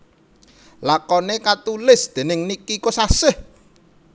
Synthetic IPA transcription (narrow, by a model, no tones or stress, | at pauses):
lakɔnekat̪ulɪsd̪̥e̤nɪŋnikikosasɪh